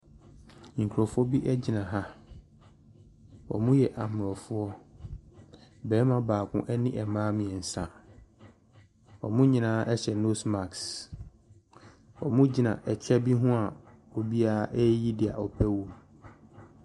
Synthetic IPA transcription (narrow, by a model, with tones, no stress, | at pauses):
ŋ̩˨kʰɔ˨fʊ˦ɔ˦bi˦ʔɛ˦d͡ʑi˨nã˨ɦa˦ | ɔ̰˨mũ˦jɛ˨ʔa˨mʊ˨ɔ˨fʊ˦ɔ˦ | bɛː˨˦mã˦baː˨kʰʊ̰̃˦ʔɛ˦nɪ̃˦ʔɛ˨mãː˦mɪ̃˨ɛ˨n̩˨sã˨ | ɔ̰˨mʊ̃˦ɲĩ˦nãː˦ʔɛ˦ɕɛ˨no˦sma˨ks | ɔ̰˨mũ˦d͡ʑi˨nã̰˨ʔɛ˨t͡ɕʰᶣɛ˦bi˦ɦʊ̃˦a˨ | ɔ˨bi˦a˦ʔɛ˦ji˦dɪ˨a̰˨ɔ˨pʰɛ˦wu˨m